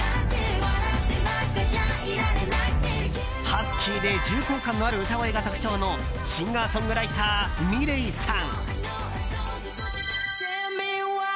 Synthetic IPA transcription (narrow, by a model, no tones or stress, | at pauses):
hasɨ̥kʲʰiːd̪e̞d͡ʑɨːkoːkãnːo̞aɾɯ̟ɯ̟t̪aɡoiɡat̪okɯ̟̥t͡ɕo̞ːno̞ | ɕĩŋɡaːsõ̞ŋɡɯ̟ɾait̪aːmʲiɾeisãŋ | m